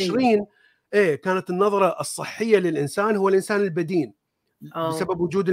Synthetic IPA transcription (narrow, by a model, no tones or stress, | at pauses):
ʃɾiːn | ʔeːkaːnat̪ɪnːɑðˤɑɾˤɑʔɨsˤːɨħːɪjːalɪlʔɪnsaːnhʊwːalʔɪnsaːnɪlbad̪iːn | bɪsababwʊd͡ʒuːd̪